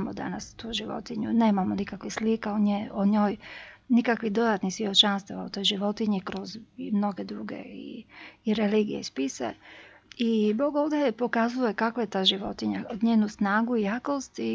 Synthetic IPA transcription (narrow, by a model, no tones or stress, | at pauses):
mod̪a̰nast̪uːʒiʋo̰t̪iɲṵne̞ːmamonikakʋixslikaoɲeoɲo̞ːjnikakʋiɦd̪o̞d̪at̪nisʋiot͡ʃanst̪aʋaot̪o̞jʒiʋo̞t̪iɲikɾo̞zmno̞ɡed̪ɾuːɡḛḭːɾeliːɡijeispisḛ | ibo̞ːɡoːʋd̪epo̞kazuje̞kakʋaje̞t̪aːʒiʋo̞̰t̪iɲaod̪ɲeːnusnaːɡuijakost̪i